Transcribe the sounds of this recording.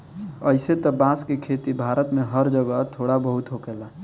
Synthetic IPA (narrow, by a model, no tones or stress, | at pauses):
əɪset̪ɔbãskekʰet̪ibʱaɾət̪meɦəɾd͡ʒəɡət̪ʰoɽabəɦut̪ɦokela